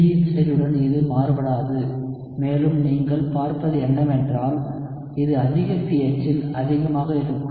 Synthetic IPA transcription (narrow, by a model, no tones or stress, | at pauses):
jɪsɐɾɯɽɐnɪðɯmaːɾbɐɽaːðɯ | meːlɯmniːŋɡɐɭpaːɾpɐðɯɛnːɐmɛndraːl | ɪðɯɐðɪɣɐpiːɐt͡ʃːɪlɐ̰ðɪɣɐmaːɣɐɪɾɯkː